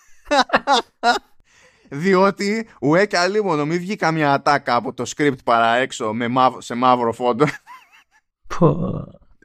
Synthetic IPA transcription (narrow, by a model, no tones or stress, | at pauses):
ðio̞t̪iuecɐlimonomivʝikɐmɲɐːt̪ɐkɐːpo̞t̪o̞skɾip̚t̪pɐɾɐe̞kso̞memɐvose̞mɐvɾo̞fo̞d̪o | pʰo